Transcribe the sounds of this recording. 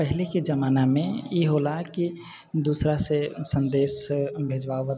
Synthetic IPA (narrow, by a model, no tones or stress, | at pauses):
pəɦlekid͡ʒəmaːnamẽjeɦolaki | d̪uːsɾasesə̃nd̪eːsbʱeːd͡ʒʋaːoʋə